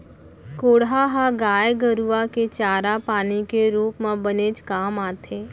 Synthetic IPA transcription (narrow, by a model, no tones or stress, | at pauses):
koːɽɦaɦaɡaːjɡəɾuaket͡ʃaːɾapaːnikeɾuːpmãbəneːd͡ʒkaːmaːt̪ʰeː